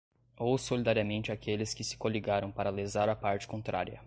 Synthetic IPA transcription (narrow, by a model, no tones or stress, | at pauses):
owsolid̪aɾiɐmẽnt͡ʃɪakelɪskɪsɪ̥koliɡaɾɐ̃w̃paɾɐlezaɾɐpaɾt͡ʃɪ̥kõnt̪ɾʔa̰ɾjɐ̰